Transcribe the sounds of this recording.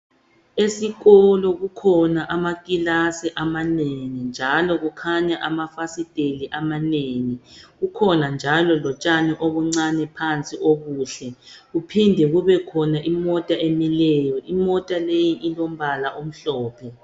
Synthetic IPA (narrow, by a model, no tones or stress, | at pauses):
esiɣɔlɔɣukʰɔnaʔamakʼilasɛʔamaneŋind͡ʒʱalɔɣukʰaɲaʔamafasid̥ʼʱeliʔamaneːŋiɣukʰɔnand͡ʒʱalɔlɔt͡ʃʼaniʔoβuŋ͡ǀanɛpʰant͡sʼiʔoɣuːɬɛɣupʰindʱɛɣuβɛkʰɔnaʔimɔtʼaʔemilɛjɔʔimɔtʼalejiʔilom̩balaʔom̩ɬɔːpʰɛ